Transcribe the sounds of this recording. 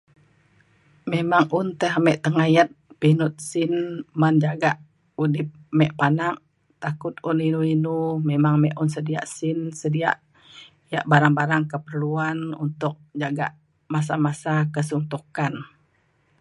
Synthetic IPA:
memaŋunt̪əɦamɛʔt̪əŋajat̪̚pinut̪̚sɪnmand͡ʒaɡaʔ | udɪp̚mɛʔpanaʔ | t̪akʊt̪̚uninuinumemaŋmɛʔunsədia̰ʔsɪnsədia̰ʔ | ja̰ʔbaɾaŋbaɾaŋkəpərluanṵnt̪ʊk̚d͡ʒaɡa̰ʔ | mas̬amasakəsunt̪ukan

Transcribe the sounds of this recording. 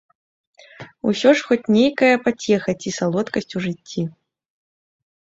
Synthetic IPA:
usʲɔʂxɔt͡sʲnʲejkɐjɐpat͡sʲɛxɐt͡sʲisalˠɔt̪kɐsʲt͡sʲuʐɨt͡sʲːi

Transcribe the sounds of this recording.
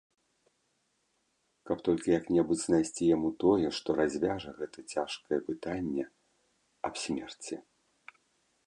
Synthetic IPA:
kɐpt̪ɔlʲkʲijɐknʲɛbud͡zʲznajsʲt͡sʲijamut̪ɔjɛʂt̪ɔɾazʲvʲaʐɐɣɛt̪ɐt͡sʲaʂkɐjɛpɨt̪anʲːɛ | ɐpsʲmʲɛrt͡sʲi

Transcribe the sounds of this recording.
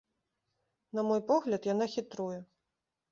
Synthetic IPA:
nɐmɔjpɔɣlʲɐt̪janaxʲit̪ɾujɛ

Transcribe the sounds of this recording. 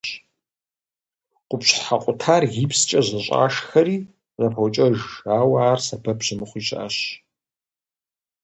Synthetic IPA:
ɕ | qʷʊpɕħaqʷʼʊtʰaːrɣipst͡ʃʼɐʑɐɕʼa̰ːʂxɐɾiː | zɐpʰɐwt͡ʃʼɐʒaːwaːrsɐbɐpɕɪmɨχʷiːɕʼʔa̰ɕ

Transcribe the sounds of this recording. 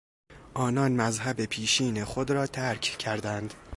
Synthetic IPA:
ʔɒːnɒːnmæzɦæbepʰiːʃiːne̞χod̪ɾɒːt̪ʰæɾkʰcʰæɾd̪ænd̪̥

